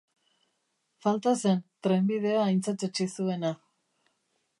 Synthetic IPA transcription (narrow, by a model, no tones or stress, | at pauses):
falt̪ase̞nt̪ɾe̞mbið̞e̞aːjnt͡sat͡set͡ʃisue̞na